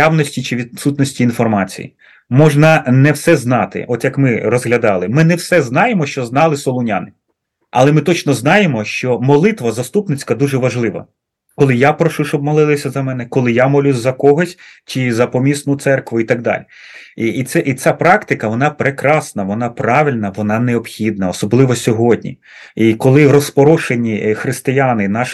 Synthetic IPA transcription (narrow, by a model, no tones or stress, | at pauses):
jawnɔsʲtʲit͡ʃɪʋʲid̪sut̪nɔsʲtʲiːnfɔrmɑt͡sʲḭjḭ | mɔʒnɐnɛwsɛznɑt̪ɪ̰ʔɔt̪jɐkmɪrɔzɦlʲɐd̪ɑlˠɪmɪnɛwsɛznɑjemɔʃt͡ʃɔznɑlˠɪsɔlˠʊnʲa̰nɪ | ɐ̰lˠɛmɪt̪ɔt͡ʃnɔznɑjemɔʃt͡ʃɔmɔlˠɪt̪ʋɐzɐst̪upnɪt͡sʲkɐd̪uʒɛʋɐʒlˠɪʋɐ̰ | kɔlˠɪjapɾɔʃuʃt͡ʃɔb̚mɔlˠɪlˠɪsʲɐzɐmɛnɛkɔlˠɪjamɔlʲuzʲzɐkɔɦɔsʲt͡ʃizɐpɔmʲisnʊt̪sɛrkʋʊit̪ɐɡ̚d̪ɑ̰lʲi | iːt̪sɛʔit͡sʲapɾɑkt̪ɪkɐʋɔnɑpɾekɾɑsnɐʋɔnɑpɾɑʋɪlʲnɐʋɔnɑneɔpxʲid̪̚nɐɔsɔblˠɪʋɔsʲɔɦɔd̚ʲnʲḭ | ikɔlˠɪɾɔspɔɾɔʃenʲixɾɪst̪ɪjanɪnɑʃ